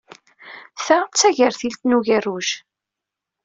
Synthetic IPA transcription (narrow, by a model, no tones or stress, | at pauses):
θæt͡sːæʝəɾθilt̪nuʝærːuʃ